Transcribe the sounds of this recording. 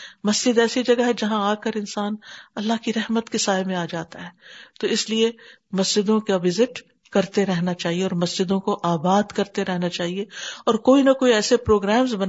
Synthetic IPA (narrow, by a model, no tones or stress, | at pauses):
mɐsd͡ʒɪd̪ɛːsid͡ʒɐɡaɦɛd͡ʒɐɦãaːkɐɾɪnsaːnɐlːaɦkiɾɛɦmət̪kisaːemẽaːd͡ʒaːt̪aɦɛːt̪oɪslie | mɐsd͡ʒɪd̪õkaʋɪzɪʈ | kɐɾt̪eɾɛɦnat͡ʃaːɦieɔːɾmɐsd͡ʒɪd̪õkoʔaːbaːd̪kɐɾt̪eɾɛɦnat͡ʃaːɦieɔːɾkoːinɐkoːiɛːsepɾoːɡɾɛːmzbɐn